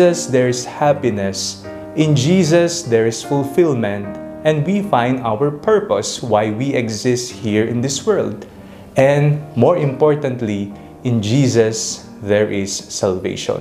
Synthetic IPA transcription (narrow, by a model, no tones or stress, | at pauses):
ɐsd̪ɛɹɪshæpinɛs | ʔɪ̃nd͡ʒiːs̬ɐsd̪ɛɹɪsfʊlfɪlmɛ̃nt̪ʔɛ̃nd̪wifãj̃nd̪awəɹpɛɹpɔswajwiɛɡzɪsthiɹɪ̰̃nd̪ɪswɛɹld̪ | ʔɛ̃ndmɔɹɪ̃mpɔɹt̪ãnt̪li | ɪ̃nd͡ʒiːzɐs | ðɛɹʔɪsːalvḛɪʃɔ̰̃n